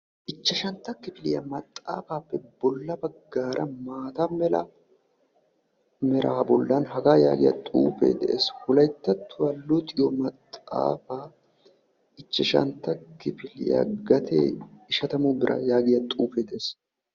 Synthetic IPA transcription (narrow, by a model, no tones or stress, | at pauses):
ʔɪt͡ʃːɛʃɐnt̪ːɐkːɪfɪlɪjɐ̰mɐt̪ʼːa̰ːfaːpːɛbɔlːɐbɐɡːaːɾʔɐmaːt̪ɐmɛlɐ̰ | mɛɾʔaːbɔlːɐnɦɐɡaːja̰ːɡɪjɐ̰t̪ʼuːfḛːd̪ɛʔḛːshʊlɐjt̪ːɐt̪ʰːʊwɐlːʊt̪ʼɪjɔmɐt̪ʼːa̰ːfaː | ɪt͡ʃːɛʃɐ̰nt̪ːɐkɪfɪlɪja̰ɡɐt̪ʰḛːɪʃɐt̪ɐmubɪɾʔɐ̰jaːɡɪjɐt̪ʼuːfeːd̪ɛʔeːs